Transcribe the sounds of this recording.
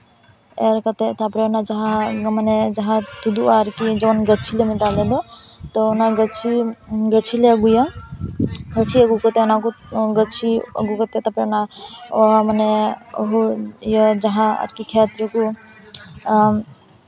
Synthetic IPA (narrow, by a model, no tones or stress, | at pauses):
eɾkət̪et̪apɾeonad͡ʒəɦãmaned͡ʒəɦãt̪ud̪uaɾkid͡ʒəbənɡət͡ʃʰilemit̪aled̪ɔt̪ɔunaɡət͡ʃʰiɡət͡ʃʰileəɡujə | ɡət͡ʃʰiəɡukət̪enakuɡət͡ʃʰiə̰ɡukət̪et̪apɾeonaoməneo̰ɦujəd͡ʒəɦãə̰ʈkikʰɛt̪ɾeku